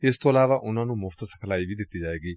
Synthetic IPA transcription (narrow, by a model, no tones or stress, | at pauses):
ɪst̪oːəlaːʋaːʔʊnãːnũːmʊfʰt̪sə̥kʰlaːiːʋiːd̪ɪt̪ːiːd͡ʒaːʋeːɡiː